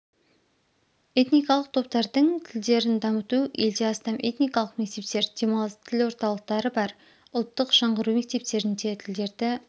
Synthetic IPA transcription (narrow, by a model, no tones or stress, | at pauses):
e̞t̪nijkɑlˠəq̚t̪ʰo̞p̚t̪ɑɾd̪əɴt̪ʰɪld̪e̞ɾɪnd̪ɑmət̪ue̞ld̪e̞ɑst̪ɑmʔe̞t̪nijkɑlˠəqme̞k̚t̪e̞p̚t̪e̞ɾd̪̥e̞mˠt̪ʰɪlwo̞ɾt̪ɑlˠəq̚t̪ɑɾəbɑɾ | ʊlˠt̪ːəqʃɑɴʁəɾumek̚t̪e̞p̚t̪e̞ɾɪnd̪e̞t̪ʰɪld̪e̞ɾd̪ɪ